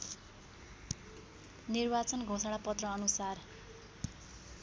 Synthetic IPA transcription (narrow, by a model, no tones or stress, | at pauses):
nirbat͡sʌnɡʱõsaɽapʌt̪rʌːnusar